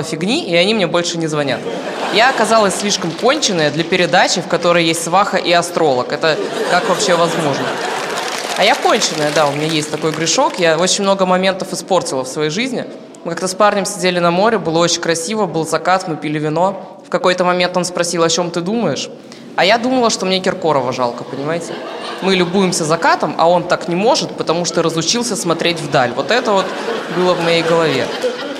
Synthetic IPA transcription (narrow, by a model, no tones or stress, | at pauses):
əfʲɪɡnʲiɪɐnʲimnʲebo̞lʲʂɨnʲɪzvɐnʲa̰t̪ | jaɐkɐzalˠəsʲsʲlʲiʂkəmko̞nʲt͡ɕɪnːəjəd̪lʲɐpʲɪɾʲɪd̪at͡ɕɪfkɐt̪o̞ɾəjjesʲtʲsvaxəʔiɐst̪ɾo̞lˠəkɛt̪əkakvɐpɕːevɐzmo̞ʐnə | ɐjako̞nʲt͡ɕɪnːəjəd̪aʊmʲɪnʲajesʲtʲt̪ɐko̞jɡɾʲɪʂo̞kjao̞t͡ɕɪnʲmno̞ɡəmɐmʲe̞nt̪əfɨspo̞rtʲɪlˠəfsvɐjejʐɨzʲnʲɪ̰ | mɨkɐkt̪asparnʲəmsʲɪdʲelʲɪnɐmo̞ɾʲɪbɨlˠəot͡ɕɪnʲkɾɐsʲivəbɨlˠzɐkat̪mɨpʲɪlʲɪvʲɪno̞ | fkɐko̞jt̪əmɐmʲe̞nt̪o̞nspɾɐsʲilˠɐt͡ɕo̞mt̪ɨd̪uməjɪʂ | ɐjad̪uməlˠəʂt̪o̞mnʲekʲɪrko̞ɾəvəʐa̰lˠkəpənʲɪmajɪtʲɪ̰mɨlʲʊbujɪmsʲəzɐkat̪əmɐ̰o̞nt̪aknʲɪmo̞ʐɨt̪pət̪ɐmuʂt̪oɾəzʊt͡ɕilˠsʲəsmɐt̪ɾʲetʲvd̪alʲvo̞t̪ɛt̪əvo̞t̪bɨlˠəvmɐjejɡəlˠɐvʲe̞̰